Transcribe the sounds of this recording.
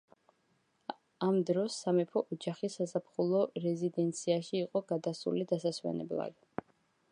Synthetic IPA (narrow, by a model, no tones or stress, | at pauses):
amd̪ɾɔsːamɛpʰɔʔɔd͡ʒaχisasapʰχulˠɔɾɛzid̪ɛnt̪sʰiaʃiːqʼɔɡad̪asṵlid̪asaswɛ̰nɛ̰blˠa̰d̪̥